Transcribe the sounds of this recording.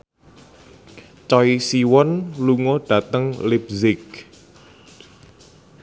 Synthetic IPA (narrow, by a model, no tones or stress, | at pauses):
t͡ʃɔisiwɔnluŋoɖ̥ä̤t̪əŋlibzɪk̚